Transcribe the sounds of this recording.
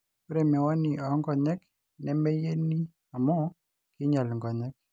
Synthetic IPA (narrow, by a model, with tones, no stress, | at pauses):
u˦ɾe˨mɛ˨wɔ˦ni˨ɔ˨˦ŋɡɔ˨ɲɛ˦k | nɛ˦mɛ˦je˦ni˦ | a˨mɔ˦ | kɪ˦ɲa˨lŋɡɔ˨ɲɛ˦k̚